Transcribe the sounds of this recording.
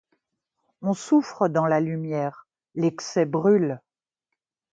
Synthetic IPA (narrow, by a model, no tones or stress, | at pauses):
ɔ̃sufχəd̪ɑ̃lalymjɛːʁ | leksɛbʁyl